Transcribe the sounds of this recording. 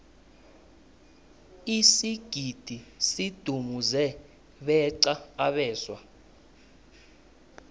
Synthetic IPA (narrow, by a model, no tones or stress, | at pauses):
isiɡ̥ʱid̥ʱisid̥ʱumuzɛ | ɓɛǀaaɓɛːswa